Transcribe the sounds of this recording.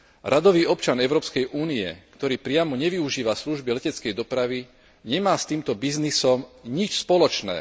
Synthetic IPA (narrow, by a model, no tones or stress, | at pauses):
ɾʔad̪ɔʋiːɔpt͡ʃanɛʊɾɔːpskɛjʔuːniɛ̰kt̪ɔɾiːpɾɪamɔɲɛʋiuʒiːʋasluʒbilɛcɛt͡skɛjd̪ɔpɾaʋi | ɲɛmaːst̪iːmt̪ɔbiznisɔmɲit͡ʃspɔlɔt͡ʃnɛ̰ː